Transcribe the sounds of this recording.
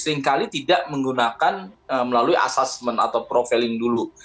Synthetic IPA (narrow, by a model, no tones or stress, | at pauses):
səɾɪŋkalit̪idaʔməŋɡunakanəməlaluiʔa̰sasməna̰t̪awpɾofilɪŋdulu